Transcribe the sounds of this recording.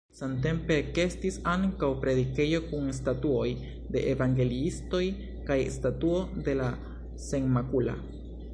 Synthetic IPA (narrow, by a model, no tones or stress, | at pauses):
sant̬e̞mpe̞ke̞stisaŋkawpɾe̞d̪ike̞jo̞kuŋstatuo̞j | d̪e̞ʔevaŋɡe̞liisto̞j | kajstatuo̞d̪e̞la | seŋmakula̰